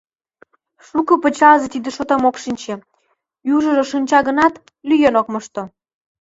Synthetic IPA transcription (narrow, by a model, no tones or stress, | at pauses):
ʃukɤ̆pə̆t͡ɕɑʒĕt̪id̪ĕʃot̪ɑmokʃinʲt͡ɕĕ | juʒə̆ʒŏʃənʲt͡ɕɑɣə̆nɑt̪ | lyjenok̚məʃt̪o